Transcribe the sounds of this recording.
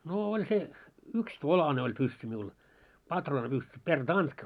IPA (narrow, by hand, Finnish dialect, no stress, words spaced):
noː olʲ se ykstolɑne olʲ pysːy miul pɑtroːnɑpysːy pertɑnd̥kɑ